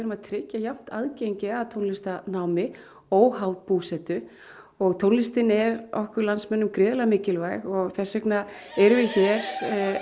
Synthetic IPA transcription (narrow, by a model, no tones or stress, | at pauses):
ɛɾʏmaðt̪ʰɾɪcːajam̥t̪a̰ðcejɲcɪaðt̪ʰownlɪst̪anaːwmɪ | oːwɦawt̪̚puːsɛt̪ʏ | ɔɣt̪ʰownlɪst̪ɪnɛɾɔhkʏɾlansmɛnːʏmkɾɪːðlamɪːcɪlvaːjɣɔɣθɛsːɛknaɛɾʏvɪçɛːɾ̥